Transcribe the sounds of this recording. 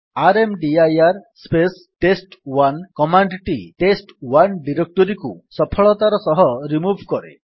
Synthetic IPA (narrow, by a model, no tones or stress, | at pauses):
aɾemɖiajaɾspes | ʈesʈwankɔmaɳɖʈiʈesʈwanɖiɾek̚ʈɔɾikusɔpʰɔɭɔt̪aɾɔsɔɦɔɾimubʱkɔɾḛ